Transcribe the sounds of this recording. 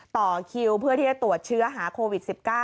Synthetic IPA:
t̪ɔː˨˩kʰi˧wpʰɯ˥˩ət̪ʰiː˥˩t͡ɕa˨˧t̪u˨˩ət̪̚t͡ɕʰɯ˦˥ɐɦaː˩˦kʰoː˧wi˨˩t̪̚si˨˩p̚kaː˥˩

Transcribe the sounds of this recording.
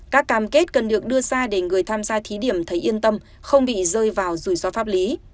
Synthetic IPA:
kaː˦˥kːaː˧˩mke˦˥t̚kə˨˩nɗɨ˨˩ək̚ɗɨ˧əzaː˧ɗe˧˩ŋɨ˨˩əjt̪ʰaː˧mzaː˧t̪ʰi˨˦ɗi˧˩əmt̪ʰə˨˦jʔi˧ənt̪ə˧m | xə˧wŋ͡mɓḭ˧˨zəː˧jvaː˨˩wzu˨˩jsɔ˨˦faː˦˥p̚li˨˦

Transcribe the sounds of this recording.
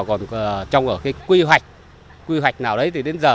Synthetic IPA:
kɔ˨˩n˨˩t͡ɕɔ˧wŋ͡mʔəː˧˩kaː˨˦jkwi˧ɦwa˨˩jk̟̚ | kwi˧ɦwa˨˩jk̟̚naː˨˩wɗə˨˦jt̪ʰi˨˩ɗe˨˦nzəː˨˩

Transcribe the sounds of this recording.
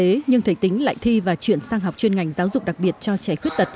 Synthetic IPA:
e˨˦ɲɨ˧ŋt̪ʰə˨˧˩jt̪ï˨˦ŋ̟la̰ː˧˨jt̪ʰi˧vaː˨˩t͡ɕwi˧˩ənsaː˧ŋɦa˨˩wk͡p̚t͡ɕwi˧ənŋa˨˩jŋ̟zaː˨˦wzʊ˨˩k͡p̚ɗa˨˩k̚ɓi˨˩ət̚t͡ɕɔ˧t͡ɕa˧˩xwi˦˥ət̚t̪ə˨˩t̚

